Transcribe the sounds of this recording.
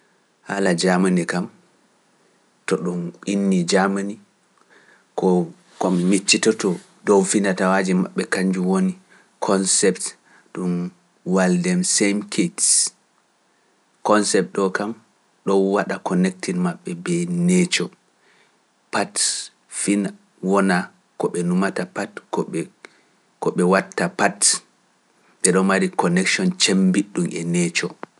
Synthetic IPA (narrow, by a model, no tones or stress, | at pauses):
ha̰lad͡ʒamanikam | tɔɗuminːid͡ʒamani | kɔ | kɔmmit͡ʃːitɔtɔ | dɔwfindatawaːd͡ʒima̰ɓːɛkaɲd͡ʒuwoni | kʰɔnsɛpt | ɗum | waldɛmsemkʰets | kɔnsɛp̚ɗɔkam | ɗɔwaɗakʰɔnɛk̚tinmaɓːɛbɛnɛt͡ʃɔ | pat | fin | wɔna | kɔɓɛnumatapat | kɔɓɛwatːapat | ɓɛɗɔnmaɾikɔnɛkʃɔnt͡ʃembiɗːumʔɛ̰nɛt͡ʃɔ